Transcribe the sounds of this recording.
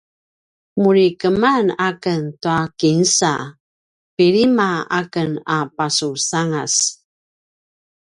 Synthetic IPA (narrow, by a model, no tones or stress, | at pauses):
muɾikəmanakəntuakinsa̰ | piɾimaakənapasusaŋas